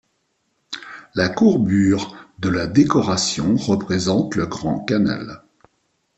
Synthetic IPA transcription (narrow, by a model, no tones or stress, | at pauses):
lakuʁbyʁd̪əlad̪ekɔʁasjɔ̃ʁəpχezɑ̃t̪ləɡʁɑ̃kana̰l